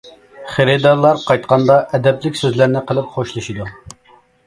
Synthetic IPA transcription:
χeɾɪd̪ɑɾlˠɑɾqʰɑjt̪qɑnd̪ɑʔɛd̪ɛplɪkʲsøzlæɾnɪqəlˠɨpχoʃlˠɨʃid̪u

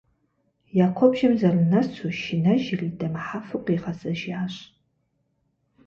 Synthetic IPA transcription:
jaːkʷʰɔbʒɐmzɐrɨnɐt͡sʰuʃɪnɐʒɪridɐmħafɨqʷʼiʁɐzɐʒaːɕ

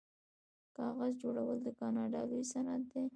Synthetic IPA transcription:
kɑɣazd͡ʒoɽawəld̪əkɑnɑɖɑlujsanat̪̚d̪e

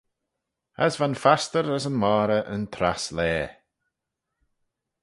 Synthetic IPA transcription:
ə̰svanfast̪əɾəsənmaːɾəʔə̰nt̪ʰɾa̰slɛː

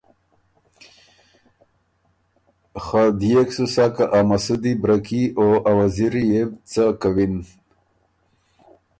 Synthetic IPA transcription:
xad̪jeksusakaʔamasud̪ibɾakioʔawaziɾijebt͡sakawin

